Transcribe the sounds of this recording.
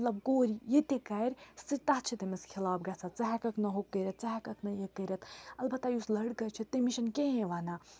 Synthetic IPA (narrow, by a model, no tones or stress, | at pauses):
t̪lɐb̚koːɾijet̪ekajɾsit̪aɦt͡ʃʰit̪emeskʰilaːbɡat͡sʰat͡saɦakɐknɐɦokːəɾɐt̪̚t͡ʃaɦakɐknɐjekːəɾɐt̪ʰɐlbɐt̪ːajuslɐɽkɐt͡ʃʰit̪ːemiʃɐnkeɦẽʋaːna